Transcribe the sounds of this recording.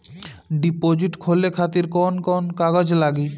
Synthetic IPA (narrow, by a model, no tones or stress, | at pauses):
ɖipod͡ʑiʈkʰolekʰat̪iɾkɔnkɔnkaɡod͡ʑlaɡi